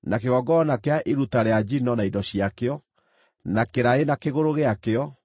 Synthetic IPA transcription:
nakeɣɔɡɔnakeaʔiɾutaɾead͡ʑinɔnaidɔɕiakeɔ | nakeɾaenakeɣoɾoɣeakeɔ

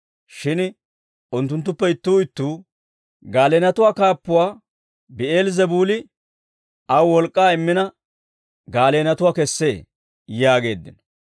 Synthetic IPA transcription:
ʃɪn | ʊnt̪̬ːʊnt̪̬ːʊpːɛɪt̪ːuːɪt̪ːuː | ɡaːleːnɐt̪ʊwaːkaːpːʊwaː | bɪeːlzɛbuːlɪ | ʔɐwwɔlkʼːaːɪmːɪnɐ | ɡaːleːnɐt̪ʊwaːkɛsːe̞̰ː | jaːɡe̞ːd̪ːɪ̰nɔ̥

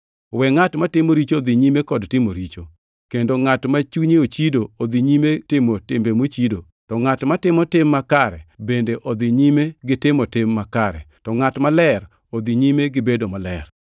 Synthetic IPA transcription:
wɛŋatmatɪmoɾit͡ʃod̪iɲimekɔdtɪmoɾit͡ʃo | kendoŋatmat͡ʃuɲeot͡ʃidood̪iɲimetɪmotɪmbemot͡ʃido | tɔŋatmatɪmɔtɪmːakaɾɛ̰bendeʔod̪iɲimeɡɪtɪmotɪmːakaɾɛ̰tɔŋatmalɛr | od̪iɲimeɡɪbedomalɛr

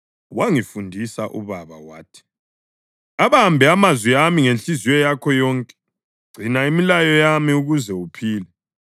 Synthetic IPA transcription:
waŋifundʱisaʔṵβaβa̰wa̰ːtʰi̥ | aβaɦambʱɛamazwiamiŋent͡ɬʼiziwɔjakʰɔjɔːŋkʼɛ̥ | ɡ͡ǀʱinaimilajɔjamiuɣuzɛupʰiːlɛ

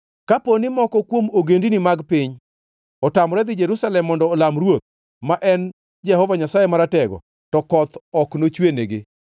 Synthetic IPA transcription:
kaponɪmɔkɔkwomoɡendinimaɡpɪɲ | ɔtamɾɛd̪ɪd͡ʒeɾusalɛmːɔndɔːlamɾwot̪̚ | maʔɛn | d͡ʒɛhɔvaɲasajemaɾatɛɡɔ̰ | tɔkɔt̪ɔknot͡ʃweneɡɪ

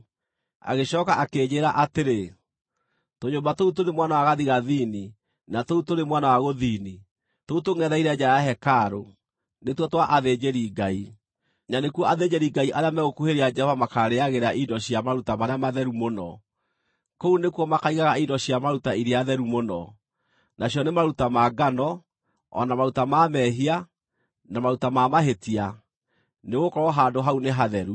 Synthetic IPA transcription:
a̰ɣeɕɔkaʔakeːɲeɾaʔateɾe | toɲoːmbatoutoɾemwanawaɣaðiɣaðini | natoutoɾemwanawaɣoðini | toutoŋɛðaiɾɛd͡ʒaaɦɛkaɾo | netwɔtwaʔaðed͡ʑeɾiɡai | nanekwɔaðed͡ʑeɾiɡaiʔaɾeamɛɣokuheɾead͡ʒɛɔvamakaɾeaɣeɾaʔidɔɕiamaɾutamaɾeamaðɛɾumonɔ | kounekuɔmakaiɣaɣaidɔɕiamaɾutaiɾeaðɛɾumonɔ | nʔaɕjɔnemaɾutamaɡanɔ | ɔ̰namaɾutamamɛɦia | namaɾutamamaɦetia | neɣokɔɾɔɦadoɦauneɦaðɛɾu

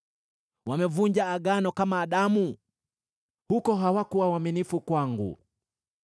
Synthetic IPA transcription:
wamɛvuɲd͡ʒaːɡanɔkamaːɗamu | hukɔɦawakuwawaminifukwaŋɡṵ

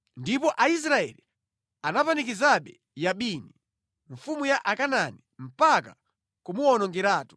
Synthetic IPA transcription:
ndipɔʔais̬ɾaɛ̰li | anapanik̬izaɓɛ | jaɓini | ɱfumujaʔakananim̩paka | kumuwɔnɔŋɡɛɾaːtu̥

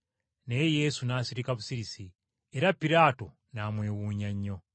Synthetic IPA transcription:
nejejesunasiɾikaβusiɾisi | eɾapiɾaːto̞ | naːmwe̞ːwuɲaɲːo̞

